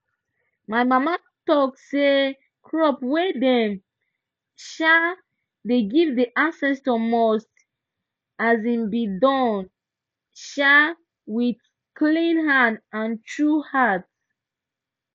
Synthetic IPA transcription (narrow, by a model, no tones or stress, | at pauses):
maɪmama | tɔk̚se | kʰɹɔpwedɛm | ʃa | deɡivdiʔãnsɛstɔmɔst | azĩmbidɔ̃n | ʃa | wid | klĩnhãndãntʰɹuhat